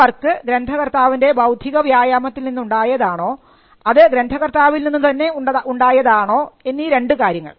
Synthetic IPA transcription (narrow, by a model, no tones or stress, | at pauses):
ɐrkːɨɡɾend̪ʱɐɣɐrt̪aːʋinde̞bɐwd̪ʱiɣɐʋjaːjaːmɐt̪ːilninːuɳɖaːjɐðaːɳo̞ː | ɐðɨɡɾend̪ʱɐɣɐrt̪aːʋilninːɨt̪ɐnːe̞uuɳɖaːjɐðaːɳo̞ːe̞nːiːɾe̞ɳɖɨkaːɾjɐŋːɐ̰ɭ